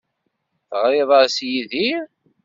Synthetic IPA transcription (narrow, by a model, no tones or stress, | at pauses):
θʁɾɪðˤəɾsjiðiɾ